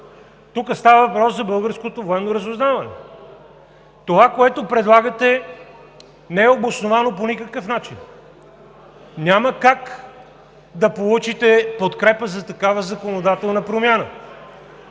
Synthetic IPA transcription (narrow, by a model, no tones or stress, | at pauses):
t̪ukəst̪avəvɐpɾɔszɐbɤlˠɡəɾskot̪ovoɛmnoɾəzʊznavɐnɛ̰ | t̪ovakoɛt̪opɾɛd̪lˠaɡət̪ɛ | nɛɛobosnovanoponikəkəfnat͡ʃin | nʲjaməkak | d̪ɐpolˠut͡ʃit̪ɛpot̪kɾɛpəzɐt̪ɐkavəzɐkonod̪at̪ɛlˠnəpɾomʲjanə